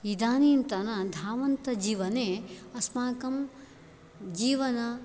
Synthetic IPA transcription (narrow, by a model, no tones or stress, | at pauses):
id̪aːniːnt̪ɐnɐd̪ʱaːʋɐnt̪ɐd͡ʒiːʋɐneːɐsmaːkɐm | d͡ʒiːʋɐnɐ